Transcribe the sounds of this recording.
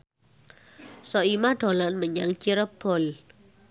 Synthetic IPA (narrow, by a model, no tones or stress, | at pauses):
sɔimaɖ̥o̤lanməɲaŋt͡ʃiɾəb̥ɔ̤l